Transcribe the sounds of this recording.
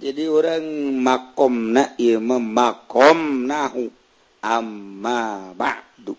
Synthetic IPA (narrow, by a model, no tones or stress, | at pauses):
d͡ʒadioɾaŋmakɔmnaʔiəmamakɔmnaɦu | ʔamːaba̰ʕ | d̪u